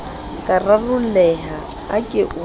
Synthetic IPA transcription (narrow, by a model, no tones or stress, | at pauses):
kʼararʊlɛːɦa | akʼɪʔʊ